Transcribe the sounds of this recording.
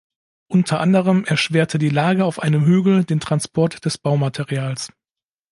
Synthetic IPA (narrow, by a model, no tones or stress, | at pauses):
ʔʊntʰɐʔandəʁ̞əmʔɛɐʃv̥eːɐtʰədiːlaːɡəaʊfʔaɪnəmɦyːɡl̩deːntʁ̥anspʰɔɐtd̥ɛsb̥aʊmatʰeʁiaːls